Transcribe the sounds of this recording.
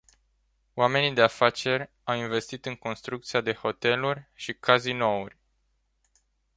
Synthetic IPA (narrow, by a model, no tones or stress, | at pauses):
wame̞nid̪e̞afat͡ʃe̞rʲ | awinve̞st̪it̪ɨŋko̞nst̪ɾuk̚t̪siad̪e̞ho̞t̪e̞lurʲʃikʰazino̞urʲ